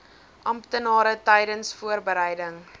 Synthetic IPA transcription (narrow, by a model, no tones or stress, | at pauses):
ʔɐmptənɑːɾətɛjdənsfuərbəɾɛjdəŋ